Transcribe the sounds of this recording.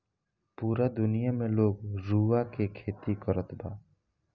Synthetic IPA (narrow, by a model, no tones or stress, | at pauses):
puːɾad̪ʊnijamẽloːɡɾuːʋakekʰeːt̪ikəɾət̪ʰbaː